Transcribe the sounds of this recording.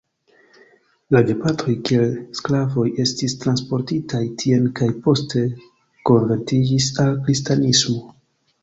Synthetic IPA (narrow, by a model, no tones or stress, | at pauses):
lade̞pato̞jkie̞lsklavo̞je̞stistɾanspo̞ɾtitʰajtʰie̞nkajpo̞ste̞ | ko̞nve̞ntid͡ʒisalkɾistanismo̞